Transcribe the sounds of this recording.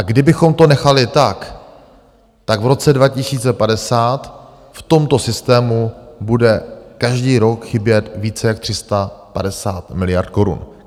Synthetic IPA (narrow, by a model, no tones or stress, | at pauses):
ʔaɡdɪbɪxo̞mt̪o̞nɛxalɪt̪ak | t̪aɡvɾo̞t͡sɛdvacɪsiːt͡sɛpadɛsaːt̪ | ft̪o̞mt̪o̞sɪst̪ɛːmubudɛkaʒdiːɾo̞kxɪbjɛt̪viːt͡sɛjak̚t̪r̥ɪst̪apadɛsaːt̪mɪlɪja̰rt̪̚ko̞ɾṵn